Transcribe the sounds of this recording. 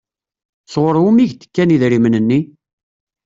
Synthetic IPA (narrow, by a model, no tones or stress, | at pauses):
sʁʊɾˤumiʝt̪ə̥kːæniðɾimnənːi